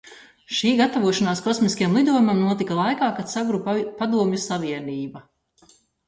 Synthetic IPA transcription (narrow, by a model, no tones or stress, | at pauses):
ʃiːɡat̪avuɔʃanaːskɔsmiskajamlˠid̪uɔjumamnuɔt̪ikalˠajkaːkat̪saɡɾuppad̪uɔmʲjusaviɛniːba